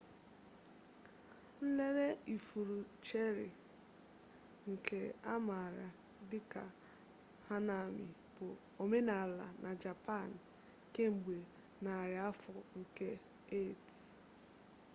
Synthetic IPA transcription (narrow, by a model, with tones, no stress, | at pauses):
n̩˦le˦ɾe˦i˨fu˨ɾu˨t͡ʃe˦ɾɪ˨ | ŋ̩˨kʰe˦a˦ma˨ɾa˨ | dɪ˦ka˨ | ha˦na˨mɪ̰˨ | bʊ˨ | o˨me˦na˨la̰˨na˨d͡ʒa˨pa˦˨n˨ | ke˦ŋ͡m̩˨ɡ͡be˨ | na˨ɾɪ˨a˦fɔ˨ŋ̩˨ke˦ | e˦˨t